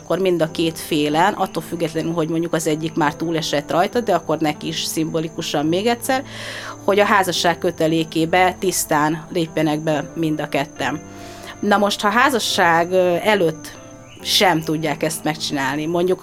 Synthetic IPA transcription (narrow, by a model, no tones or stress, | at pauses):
kːo̞rmind̪ɒkeːt̪feːlɛnʔɒt̪ːolfyɡːɛt̪lɛnylɦo̞ɟmo̞ɲɟukɒzɛɟːikmaːrt̪uːlɛʃɛt̪rɒjt̪ɒd̪ɛɒkːo̞rnɛkiːʃsimbolikuʃɒmmeːɡɛt̪ʲsɛrho̞ɟɒɦaːzɒʃːaːkkːø̞t̪ɛleːkeːbɛt̪ist̪aːnleːpjɛnɛɡbɛmind̪ɒkɛt̪ːɛm | nɒmo̞ʃt̪hɒːɦaːzɒʃːaːɡɛløːt̪ː | ʃɛmt̪uɟːaːkɛst̪mɛkt͡ʃinaːlnimo̞ɲɟuk